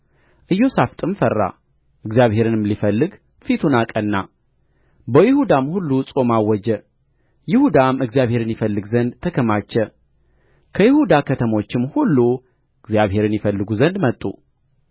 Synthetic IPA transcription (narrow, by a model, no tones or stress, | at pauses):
ʔɨjːo̞saft̪ʼɨmfərːa̰ | ʔɨɡzijaβhe̞ɾɨnɨmlifəlːɨɡ | fit̪ʰunakʼənːa | bəjɪhud̪amhulːusʼo̞mawɔd͡ʒɛ | jɪhud̪amɨɡzjaβhe̞ɾɨnjɪfəlːɨɡzənd̪t̪ʰəkʰəmat͡ʃːɛ | kʰəjɪhud̪akʰət̪ʰəmo̞t͡ʃːɪmhulːu | ɨɡzjaβɦhe̞ɾɨnjɪfəlːɨɡuzənd̪mət̪ʼːṵ